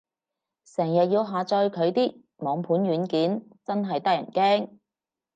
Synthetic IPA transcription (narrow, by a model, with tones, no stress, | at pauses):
sɛː˨˩ŋjɐ˨t̚jiː˧wɦaː˨t͡sɔː˧jkʰɵ˨˧ɥt̪iː˥ | mɔː˨˧˥ŋpʰuː˨˥nɥyː˨˧˥nkiː˨˥nt͡sɐ˥nɦɐ˨jt̪ɐ˥k̚jɐ̰˨˩nkɛː˥ŋ